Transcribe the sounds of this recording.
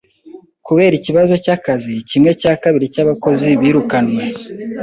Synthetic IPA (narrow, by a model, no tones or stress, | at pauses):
kuβe̞ːɾiciβazo̞cakazicimŋe̞caːkaβiɾicaβako̞ziβiːɾukanwe̞